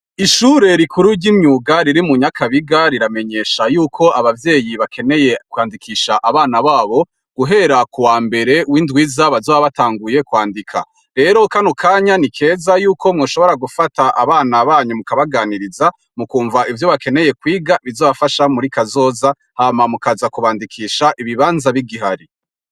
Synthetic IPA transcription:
iʃuːɾe̞ɾikʰuɾuɾɟimɲuɡaɾiɾimuɲakʰaβiɡaɾiɾame̞ɲe̞ːʃajuːkʰo̞ʔaβavje̞ːjiβakʰe̞ne̞je̞kwaːndikʰiːʃaʔaβaːnaβaːβo̞ | ɡ̥uɦe̞ɾakuwaːmbe̞ɾe̞windɡwiːzaβazoːβaβataːŋɡuje̞kwaːndikʰa̰ | ɾe̞ɾo̞kanukʰaːɲanikʰe̞ːzajuːko̞mŋoːʃoβo̞ɾaɡufataʔa̰βaːnaβaːɲumukaβaɡaːniɾiza | mukuːɱvaivjo̞βake̞ne̞je̞kwiːɡaβizoːβafaʃamuɾikazo̞ːza | haːmamukazakuβaːndikʰiːʃaʔiβiβaːnzaβiɡiɦaɾi

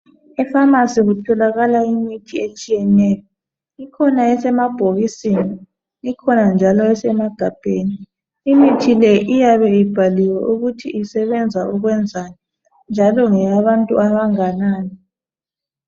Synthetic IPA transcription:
ɛfamasiɣutʰɔlaɣalaimitʰiet͡ʃʼijɛnɛːjɔ | ikʰɔnaɛsɛmab̥ʱoɣisini | ikʰɔnand͡ʒʱalɔɛsɛmaɡ̥ʱab̥ʱeːniː | mitʰilɛʔijaβɛib̥ʱaliwɛ̰ʔuɣutʰiʔisɛβɛnd͡zʱaʔuɣwɛnd͡zʱanɛ | nd͡ʒʱalɔŋɛjaβantʼṵaβaŋanaːnɔ

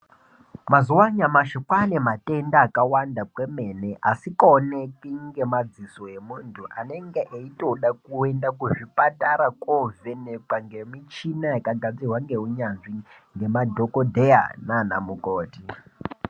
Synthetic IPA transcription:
mazuwaɲamaʃokwanematʼendaːkawandapwemeneʔasikaonekiŋɡe̞mad͡ziso̞e̞muːntʰuʔane̞ŋɡeʔeito̞ɗakuendak̬uʐipataɾakoveneǃaŋɡemit͡ʃinajakaɡad͡ziɦwaŋɡeɦuɲanʐi | ŋɡe̞madʱokodʱeja̰nana̰mukoːti

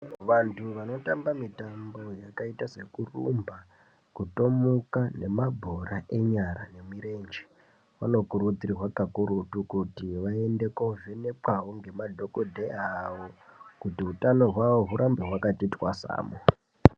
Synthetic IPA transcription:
ʋantʰuʋano̞tambamitambo̞jakaitase̞kurṵmba | kuto̞mukane̞mabʱoɾaʔe̞ɲaɾane̞miɾe̞nd͡ʒe̥ | ʋano̞kuɾud͡zirirwakakuɾutukutiʋae̞nde̞kovenepawoŋɡe̞madʱo̞kodʱeaʋo̞kutiɦutano̞ɦwaʋo̞ɦuɾʔambeɦwakatitwa̰sa̰ːmo

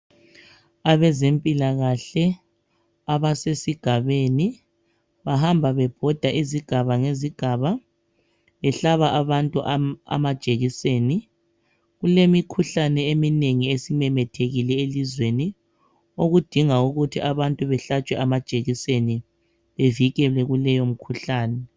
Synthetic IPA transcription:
aβɛzempʼilaɣaɬɛ | aβasesiɡ̥ʱaβeni | βaɦambʱaβɛb̥ʱɔd̥ʱaʔiziɡ̥ʱaβaŋeziɡ̥ʱaβa | βɛɬaβaʔaβantʼuʔa̰mad̥ʒ̥ʼʱeɣiseːni | ɣulemikʰuɬanɛemineŋiesimɛmɛtʰeɣilɛelizweni | oɣud̥ʱiŋauɣutʰiʔaβantʼuβɛɬat͡ʃʼwɛʔamḁt͡ʃʼeɣiseni | βeviɣɛlɛɣulɛjom̩kʰuɬaːnɛ

